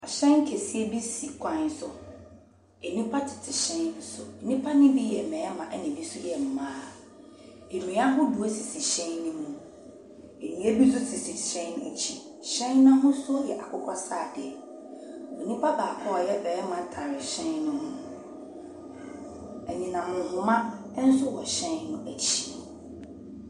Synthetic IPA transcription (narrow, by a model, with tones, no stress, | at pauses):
a˨ɕɛ̃˦ŋ˦kʰe˨si˦e˦bi˦si˨kʷʰã˦n˦sʊ˨ | ɛ˨nĩ˦pʰa˦tʰɪ̥˨tʰɪ˨ɕɛ̃˦˨˦sʊ˨ɛ˨nĩ˦pʰa˦nɪ̃˦bi˦jɛ˨mɛ̃˨ɛ˦mã˨ʔɛ˦nɪ̃˨bi˦sʊ˦jɛ˨m̩˨mãː˦ | e˨nũ˨jã˦ɦʊ̃˦du˨o˦si˨si˨ɕɛ̃˦nnɪ̃˦mũ˦ | e˨nĩ˨˦ɛ˦bi˦s̬ʊ˦sʰi˨si˨ɕɛ̃˦nḛ˨t͡ɕʰi˦˨ | ɕɛ̃˦nnã˦ɦʊ̃˦sʊ˦jɛ˨ʔa˨kʰʊ˦kʰɔ˦saː˦˨dɛ˨ | ɔ˨nĩ˦pʰa˦baː˨kʰɔ˦ɔ˨jɛ˦bɛː˨˦mã˨tʰã˨ɾɪ˨ɕɛ̃˦nnʊ̃˦hʊ̃˦ | æ˨ɲĩ˨nã˨mʊ̃˨hʊ̃˨mã˦ | n̩˦sʊ˦wɔ˨ɕɛ̃˦nnʊ̃˦æ˨t͡ɕʰi̥˨